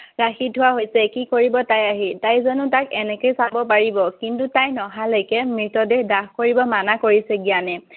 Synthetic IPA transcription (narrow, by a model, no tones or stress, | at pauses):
ɹaxitʰuwaɦojsɛkikoɹibɔtajaɦitajzɔnʊtakɛnɛkojsabɔpaɹibɔkintutajnɔɦalojkɛmɹitɔdɛxdaxkoɹibɔmanakoɹisɛɡijanɛ